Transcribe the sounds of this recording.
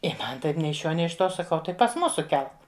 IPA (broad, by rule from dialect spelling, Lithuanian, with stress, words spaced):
ɪ ˈmɐn ˈtɐɪp ˈnʲɛɪ ɪʃ ˈʃʲuɔ ˈnʲɛɪ ɪʃ ˈtuɔ sɐˈkɐʊ ˈtɐɪ pɐs ˈmʊsʊ ˈkʲɛlˠk